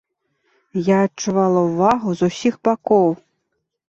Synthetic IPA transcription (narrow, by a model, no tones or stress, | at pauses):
jaɐtt͡ʂuvalˠɐwvaɣuzusʲiɣbakɔw